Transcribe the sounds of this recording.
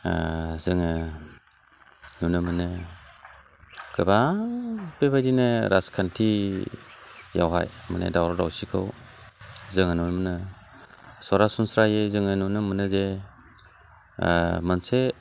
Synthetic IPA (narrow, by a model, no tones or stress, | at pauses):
zɯŋɯ | nunɯmɯnɯ | ɡɯba | bebajdinɯɾaskʰantʰi | jawɦa̰jmanḛdawɾɔɾawsikʰɯ̰w | zɯŋanunmɯnɯ | sɔɾasunsɾajezɯŋanunɯmɯnɯze | manse